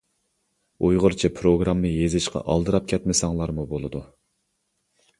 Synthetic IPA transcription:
ujʁʊɾt͡ʃʰɛpʰɾoɡɾɑmːɨjezɪʃqʰɑ̰ʔɑlˠd̪ɨɾɑp̚kʲʰɛt̪mɪsɑŋlˠɑɾmubolˠɨd̪u

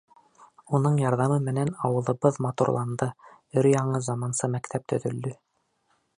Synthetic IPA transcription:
unɤɴjɑɾðɑmɤmɘ̆nænɑwɤ̆lˠɤ̆βɤðmɑt̪ṵɾlˠɑnd̪ɤ | ɵɾjɑɴɤzɑmɑnsɤmækt̪ʰæp̚t̪ʰɵ̆ðɵ̆ld̪ɵ

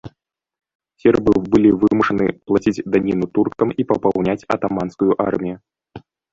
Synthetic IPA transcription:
sʲɛrbɨbɨlʲivɨmuʂɐnɨ̰plˠat͡sʲid͡zʲd̪anʲinut̪urkt̪ɐmipɐpawnʲat͡sʲɐ̰t̪amanskujuʔa̰rmʲiju

